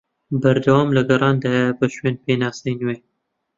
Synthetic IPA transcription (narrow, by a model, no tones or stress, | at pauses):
bɐɾd̪ɐwɑːmlɐɡɐrˤɑːnd̪ɑːjɛbɐʃweːnpʰeːnɑːsejnweː